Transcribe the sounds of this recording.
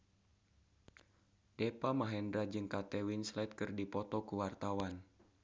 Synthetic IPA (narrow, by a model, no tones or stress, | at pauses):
depamaɦɛndɾad͡ʒɨŋkat̪ɛwinslɛt̪̚kɨrdipɔt̪ɔkuwart̪awan